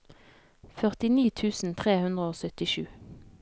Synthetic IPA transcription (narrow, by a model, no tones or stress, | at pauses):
fœʁt̪ɪniːt̪ʰʉːsn̩t̪ʰʁeːhʉnd̪ʁəoːsœt̪ɪʃʉː